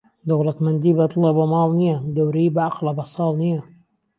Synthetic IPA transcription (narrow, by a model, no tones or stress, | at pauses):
d̪oɣlɑt̪mand̪iːbɑt̪ˤlɑbamɑːlnijad̪awɾibaʕɑqlɑbɑsˤɑːlˤnija